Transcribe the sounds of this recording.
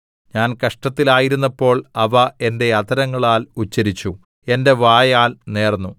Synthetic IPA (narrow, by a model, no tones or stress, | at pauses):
ɲaːnkɐʂʈɐt̪ːilaːjiɾunːɐpːo̞ːɭɐʋɐe̞nde̞ɐt̪ʰɐɾɐŋːɐɭaːlut͡ɕːɐɾit͡ɕːu | e̞nde̞ʋaːjaːlne̞ːrnːu